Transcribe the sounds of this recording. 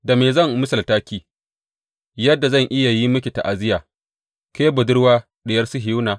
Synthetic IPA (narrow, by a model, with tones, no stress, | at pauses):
da˨meː˨zɐ˦˨ŋmʊ˦sɐ˨ltaː˦kʲiː˦ | jɐ˦dːa˨zɐ˦˨ŋʔɪ˦ja˨ji˦mʊ˦kʲi˨ta̰˨ʔa˨zɪ˦jaː˨ | keː˦bʊ˨dʊ˦ɽwaː˦ | ɗɪ˨jɐ˦rsu˦ɦɪ˨u˦naː˨